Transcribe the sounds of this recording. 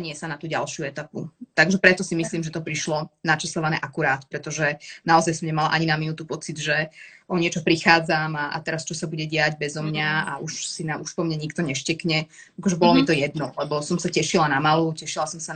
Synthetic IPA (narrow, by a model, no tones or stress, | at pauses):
ɲɪɛsanat̪uːɟa̰lʃjuɛt̪aput̪aɡʒɛpɾɛt̪ɔsimisliːmʒɛt̪ɔpɾiʃlɔnat͡ʃɛslɔʋanɛ̰ːʔakuɾaːt̪pɾɛt̪ɔʒɛnaɔzajsɔmɲɛmalaʔaɲinaminut̪upɔt͡sid̪ʒɛʔɔɲɪɛt͡ʃɔpɾixaːd͡zamaʔa̰t̪ɛɾast͡ʃɔsabuɟɛɟɪaɟbɛzɔmɲaa̰uʃsinauʃpɔmɲaɲikt̪ɔɲɛʃcɛkɲɛakɔʒɛbɔlɔmit̪ɔjɛd̪nɔlɛbɔsɔmsacɛʃilanamalucɛʃilasɔmsa